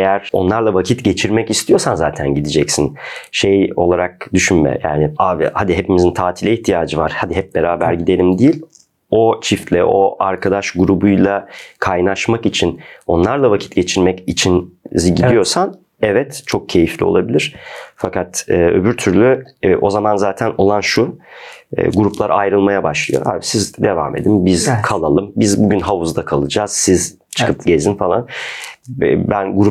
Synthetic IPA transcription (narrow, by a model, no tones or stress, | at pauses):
ejæɾo̞nlˠaɾlˠavacʰit̪ɟe̞t͡ʃʰiɾmɛcist̪ʰijoɾsanzaːt̪ʰænɟid̪id͡ʒɛcsinʃejo̞̰lˠaɾak̚d̪yʃynmɛ̰ja̰ːnɪaːvḭhad̪iɦepimizint̪ʰaːt̪ʰilʲɛiht̪ʰijaːd͡ʒɯvaɾ̥had̪iɦɛp̚beɾaːbæɾɟid̪e̞lʲimd̪ijilʲ | o̞t͡ʃʰift̪lʲɛ̰ʔo̞ʔaɾkʰad̪aʃɡuɾubujlˠakʰajnaʃmakit͡ʃʰino̞nlˠaɾlˠavacʰi̥t̪ɟe̞t͡ʃʰiɾmɛcit͡ʃʰinzɟid̪ijo̞san | ɛvɛt̪t͡ʃʰo̞k̚cʰe̞jiflʲḭolˠabilʲiɾ̥fakat̪ːø̞̰byɾt̪ʰyɾlʲyʔo̞zamanzaːt̪ʰæno̞lˠanʃṵː | ɡuɾuplˠaɾa̰jɾɯlˠmajabaʃlˠɯ̰jo̰ha̰bisizd̪e̞va̰ːme̞̰d̪imbizkʰalˠalˠɯmbizbuɟynɦavuzd̪akʰalˠɯd͡ʒaːz̥siz | t͡ʃʰɯ̥kʰɯpɟe̞zinfalˠan | bænɡuɾu